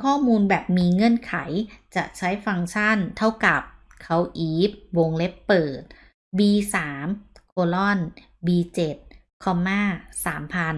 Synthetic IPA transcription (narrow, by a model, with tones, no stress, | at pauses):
kʰɔː˥˩muː˧nbɛː˨˩p̚miː˧ŋɤ˥˩ənkʰa˩˦jt͡ɕa˨˩t͡ɕʰa˦˥jfa˧ŋt͡ɕʰa˥˩nt̪ʰa˥˩wka˨˩p̚ | kʰa˦˥wʔiː˦˥p̚wo˧ŋle˦˥pːɤː˨˩t̪̚ | biː˧saː˩˦mkʰoː˧lɔ˥˩n | biː˧t͡ɕe˨˩t̪̚ | kʰɔ˧mːaː˥˩saː˩˦mpʰaː˧n